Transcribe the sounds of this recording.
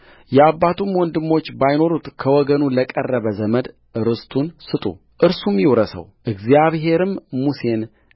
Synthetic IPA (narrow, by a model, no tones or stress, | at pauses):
jɛabːat̪ʰumwɔnd̪ɨmːo̞t͡ʃːbajno̞ɾut̪kʰəwɔɡənuləkʼərːəβəzəməd̪ | ʔɨɾɨst̪ʰunsɨt̪ʼṵ | ʔɨɾsumjiwɾəsə̰wʔɨɡzjaβɦe̞ɾɨmːuse̞n